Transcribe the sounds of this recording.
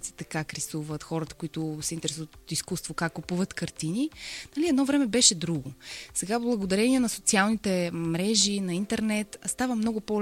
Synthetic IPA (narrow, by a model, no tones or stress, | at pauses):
t̪si̥t̪ɛkakɾɛsuvət̪xɔɾət̪ə̥koit̪ʊsɛint̪ɛɾɛsut̪iskust̪vokakːupuvət̪kəɾt̪ininɐliɛd̪nɔvɾɛmɛbɛʃɛd̪ɾuɡosɛɡablˠɐɡod̪ɐɾɛniɛnɐsot̪sialˠnit̪ɛmɾɛʒinɐint̪ɛɾnɛt̪st̪avəmnɔɡʊpo